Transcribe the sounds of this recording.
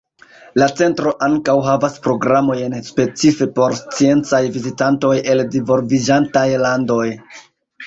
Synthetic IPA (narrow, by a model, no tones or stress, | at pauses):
lat͡se̞ntɾo̞ʔaŋkawɦavaspɾo̞ɡɾamo̞jnspe̞t͡sife̞po̞ɾst͡sie̞nt͡sajvizitanto̞je̞ldivo̞ɾvid͡ʒantajlando̞j